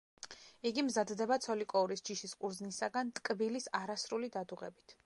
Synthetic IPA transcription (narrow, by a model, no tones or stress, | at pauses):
iɡimzad̪d̪ɛbat̪sʰɔlikʼɔuɾisd͡ʒiʃiskʼuɾznisaɡant̪ʼkʼbilisaɾasɾulid̪ad̪uʁɛ̰bit̪ʰ